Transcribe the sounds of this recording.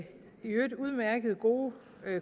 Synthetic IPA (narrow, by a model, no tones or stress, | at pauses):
iød̥uð̞ˠmæɐɡ̥ð̞̩ˠɡ̥o̝ː